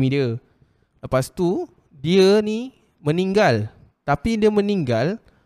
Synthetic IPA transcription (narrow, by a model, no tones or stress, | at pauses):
mĩdiə | ləpast̪u | diəni | mə̃nĩŋɡal | t̪apidiəmə̃niŋɡal